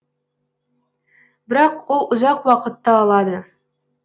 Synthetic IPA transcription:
bɪɾɑqwolˠʊzɑqwɑqət̪ːɑːlˠɑd̪ə

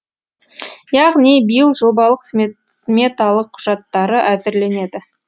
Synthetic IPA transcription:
jɑʁnibijəlˠʒo̞bɑlˠəqs | smʲe̞t̪ɑlˠəqʰːʊ̥ʒ̥ɑt̪ːɑɾəʔæzɪɾle̞ne̞d̪ɪ

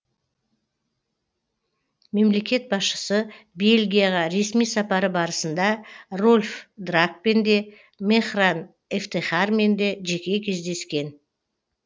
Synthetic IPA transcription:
me̞mle̞kʲe̞t̪̚bɑsʃə̥səbe̞lʲɡʲijaʁɑɾe̞smijsɑpɑɾəbɑɾəsənd̪ɑrolʲfd̪rak̚pend̪e̞ | meχran | eft̪eχarme̞nd̪e̞ʒe̞kʲe̞kʲʰe̞zd̪e̞skʲe̞n

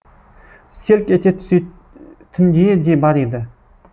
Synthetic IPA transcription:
selkʲet̪ʰʲe̥e | t̪ʰɪmd̪ed̪ebɑɾed̪ɪ

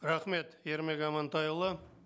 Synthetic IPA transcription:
ɾaχme̞t̪jeɾmekɑmɑnt̪ɑjəlˠə

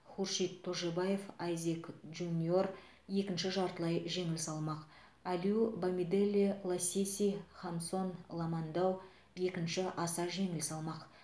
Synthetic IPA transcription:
χurʃijt̪ʰːoʒebaje̞fɑjzekʒunʲio̞r | je̞kʲɪnʃɪʒɑɾt̪əlˠɑjʒe̞ŋɪlsɑlˠmɑq | æliubamid̪elʲːilˠasʲesʲijχɑmso̞nlˠɑmɑnd̪ɑw | je̞kʲɪnʃɪʔɑsɑʒeŋɪlsɑlˠmɑq

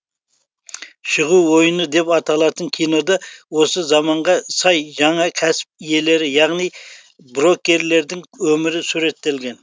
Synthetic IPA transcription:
ʃəʁuwwo̞jənəd̪e̞pɑt̪ɑlˠɑt̪əŋkʲʰijno̞d̪ɑwo̞səzɑmɑɴʁɑsɑjʒɑɴɑkʲʰæsɪ̥p̚ije̞le̞ɾɪjɑʁnij | bɾo̞kʲːe̞ɾle̞ɾd̪ɪŋwɵmɪɾɪsuɾe̞t̪ːe̞lɡʲe̞n

